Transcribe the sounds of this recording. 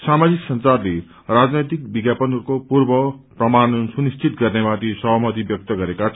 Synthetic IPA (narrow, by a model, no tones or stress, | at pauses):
samad͡ziksʌnt͡sarle | rad͡znʌjt̪ik̚biɡjapʌnukopurbʌprʌmanʌnsunist͡sʰit̪ɡʌrnemat̪isʌɦmʌt̪̬ibjʌk̚t̪ʌɡʌɾekat͡sʰ